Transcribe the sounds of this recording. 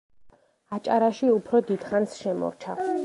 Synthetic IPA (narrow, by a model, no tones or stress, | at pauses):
at͡ʃʼaɾaʃiupʰɾɔd̪id̪̥χansʃɛmɔ̰ɾt͡ʃʰa